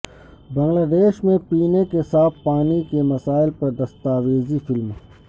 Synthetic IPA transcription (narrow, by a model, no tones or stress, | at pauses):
bɐŋɡlaːd̪eːʃmẽpiːnẽkesaːfpaːnikemɐsaːɪlpɐɾd̪ɐst̪aːʋeːzifɪlm